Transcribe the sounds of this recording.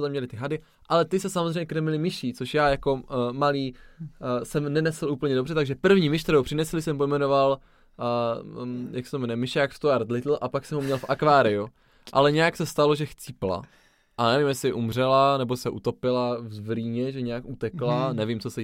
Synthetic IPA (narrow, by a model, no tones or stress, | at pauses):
t̪amɲɛlɪt̪ɪɦadɪ | ʔalɛt̪ɪsɛsamozreɛjɲɛkɾɛmɪlɪmɪʃɪt͡soʃjaːjako̞maliː | sɛmnɛnɛsl̩ʔuːpl̩ɲɛdobr̝ɛt̪aɡʒɛpr̩vɲiːmɪʃt̪ɛɾowpr̥ɪnɛslɪsɛmpo̞jmɛno̞val | jaksɛ̥t̪omɛnɛmɪʃɛjakfst̪oaɾt̪lɪt̪l̩ʔapaksɛmɦumɲɛlfʔakvaːɾɪu | ʔa̰lɛɲɛjaksɛst̪alo̞ʒɛxt͡sipla̰ | ʔanɛvimjɛsɪʔumr̝ɛlanɛbosɛʔut̪o̞pɪlavzvɾiːɲɛʒɛɲɛakʔut̪ɛklanɛvimt͡sosɛ